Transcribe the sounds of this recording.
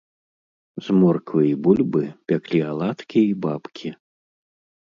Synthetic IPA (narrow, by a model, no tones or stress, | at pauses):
zmɔrkvɨibulʲbɨpʲaklʲialˠat̪kʲiibapkʲʰi